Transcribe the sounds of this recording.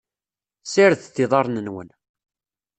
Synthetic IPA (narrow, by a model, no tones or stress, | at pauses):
sɪɾθθɪðˤɑɾˤnənwə̰n